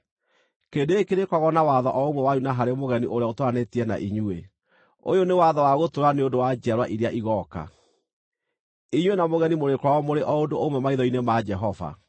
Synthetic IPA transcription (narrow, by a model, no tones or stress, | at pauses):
kendeːkeɾekɔɣɔnawaðɔʔɔomɛwaɲunaɦaɾemoɣɛniʔoɾeaotoɾanetiɛna̰ʔiɲue | o̰jonewaðɔwaɣotoɾaneondowad͡ʒiaɾwaʔiɾjaʔiɣɔka̰ | iɲwenamoɣɛnimoɾekwaɣɔmoɾeʔɔodoomɛmaiðɔinemad͡ʒɛɦɔva̰